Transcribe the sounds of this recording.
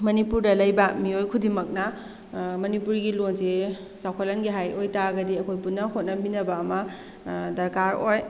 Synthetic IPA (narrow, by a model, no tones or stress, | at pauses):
mɐnipuɾdɐlɐjbɐmiojkʰudimɐk̚nɐ | mɐnipuɾɡilonse | sawkʰɐlɐnɡiɦajojtaɡɐdiɐkʰojpunːɐhot̚nɐminɐbɐːmɐ | dɐɾkaɾoj